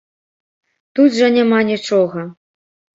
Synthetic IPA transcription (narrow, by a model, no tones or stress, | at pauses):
t̪ut̪ʐɐnʲamanʲit͡ʂɔɣɐ